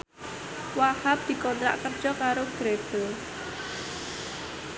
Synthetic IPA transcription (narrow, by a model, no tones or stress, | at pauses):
wahap̚d̪̥i̤kɔnt̪ɾa̰ʔkər̥ʒ̥ɔkaɾoɡ̥ɾeb̥ə